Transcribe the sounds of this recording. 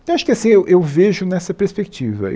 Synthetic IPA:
ewaʃʊ̥kɪasĩewʔewveʒʊnɛsɐpeɾspekit͡ʃivɐ̰

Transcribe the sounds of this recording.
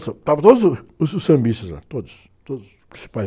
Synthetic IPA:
sɐt̪avɐt̪od̪uzususɐ̃mbist̪ɐza̰t̪od̪ʊs | t̪od̪uz | pɾĩsi̥pa

